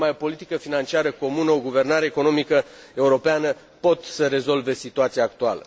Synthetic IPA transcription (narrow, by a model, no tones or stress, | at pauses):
majo̞po̞lit̪ikəfinant͡ʃiaɾəko̞munəo̞ɡuve̞rnaɾe̞ːko̞no̞mikə | e̞uɾo̞peanə | po̞t̪səɾe̞zo̞lve̞sit̪uat̪sijaːk̚t̪ualə̰